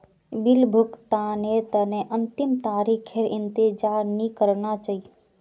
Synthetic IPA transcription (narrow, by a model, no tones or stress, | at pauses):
bɪlbʱʊkt̪anet̪ənẽʔɐnt̪ɪmt̪aːɾikʰeɾɪnt̪ɪd͡ʒaːɾnĩkəɾnat͡ʃai